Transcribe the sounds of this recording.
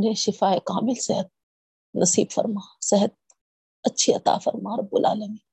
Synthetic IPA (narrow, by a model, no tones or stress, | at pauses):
nẽːʃɪfaːekaːmɪlseɦət̪̚ | nɐsiːbfɐ̰ɾmaːseɦət̪̚ | ɐtːʃʰiɐt̪a̰ːfɐ̰ɾmaːɾɐbːʊlʔa̰ːlɐmĩː